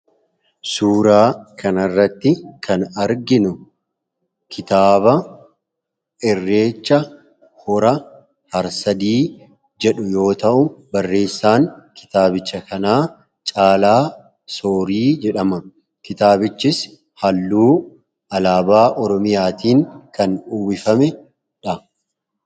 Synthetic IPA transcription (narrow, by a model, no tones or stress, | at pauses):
suːɾaːkʰɐnɐrːɐt̪ːɪkʰɐnɐɾɡɪnʊ | kʰɪt̪aːbɐ | ʔɛrːe̞ːt͡ʃːɐ | hɔɾɐ | hɐɾsɐd̪iː | d͡ʒɛᶑʊjo̞ːt̪ɐʔʊbɐrːe̞ːsːaːŋkʰɪ̥t̪aːbɪt͡ʃːɐkɐnaː | t͡ʃʼaːlaː | soːɾiːd͡ʒɛᶑɐmɐ | kɪt̪aːbɪt͡ʃːɪs | hɐlːuː | ɐlaːbaːʔɔɾɔmɪjaːt̪iːŋkɐnuwɪfɐmɛ | ᶑɐ